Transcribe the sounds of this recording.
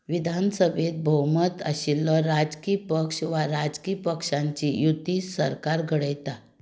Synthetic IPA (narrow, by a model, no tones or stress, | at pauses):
ʋid̪ʱansəbʱet̪̚bʱəwmət̪ə̰ɕilːɔɾad͡zkiːpəkʂʋaɾad͡zkiːpəkʂaɲt͡ɕijut̪ːiːsə̰ɾkaɾɡʱəɽəjt̪a